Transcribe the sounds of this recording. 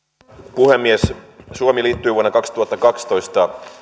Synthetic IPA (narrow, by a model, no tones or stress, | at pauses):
puhemːiessuomiliːt̪ːyːʋuonːɑkɑkst̪uhɑt̪ːɑkɑkst̪o̞jst̪ɑ